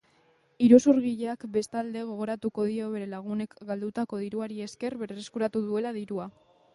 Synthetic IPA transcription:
iɾosuɾɣiʎeakbe̞st̪ald̪e̞ɣ̞o̞ɣ̞o̞ɾat̪uko̞ð̞io̞βe̞ɾe̞laɣ̞une̞kɡald̪ut̪ako̞ðiɾuaɾie̞ske̞ɾβeɾreskuɾat̪uðue̞laðiɾua

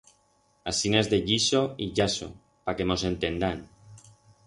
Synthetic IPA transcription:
asinezðeʎiʃoiʎaso̰ | pake̞mo̞se̞nt̪e̞nd̪an

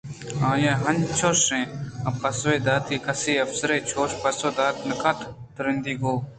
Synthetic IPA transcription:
ãːjãːɦɐ̃nt͡ʃʰoːʃẽːɐpɐsweːd̪aːt̪iːkɐsiːɐfsəɾet͡ʃʰoːʃpɐɾsoːd̪aːt̪̚nɐkat̪ | t̪ɾɪ̃nd̪iːɡoː

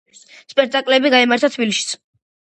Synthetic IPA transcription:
spʼɛk̚ʰt̪ʼakʼlɛbiɡaimaɾt̪ʰat̪ʰvbiliʃi̥sʰ

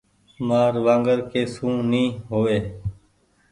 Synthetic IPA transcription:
maːɾʋãːŋɡəɾkeːsũːnĩːɦoːʋeː

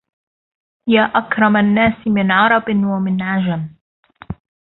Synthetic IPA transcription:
jaːʔakɾˤɑmanːaːsmɪnʕɑɾˤɑbɪnwamɪnʕad͡ʒam

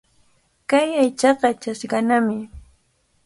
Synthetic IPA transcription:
kajajt͡ʃɑqɑt͡ʃasɢɑnamɪ

